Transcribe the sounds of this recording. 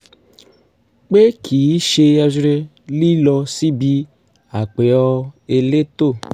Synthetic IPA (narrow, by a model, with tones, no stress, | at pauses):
k͡pe˦kʰi˨ji˦ʃe˧ja˧zɾe˧ | li˦lɔ˧si˦bi˧ | a˨k͡pe˨jɔ˦e˧le˦t̪o˦˨